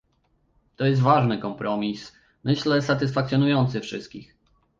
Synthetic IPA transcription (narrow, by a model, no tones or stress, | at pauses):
t̪ɔjɛst̪vaʐnɘkɔmpɾɔmʲis | mɘɕlɛsat̪ɘsfak̚t̪sʲjɔnujɔnt̪sɘfʂɘst̪̚kʲix